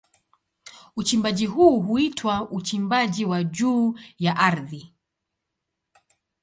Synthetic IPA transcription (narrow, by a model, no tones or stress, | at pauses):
ut͡ʃimbaʄiɦuːɦuitʰwaʔut͡ʃimbaʄiwaʄuːjaʔaɾði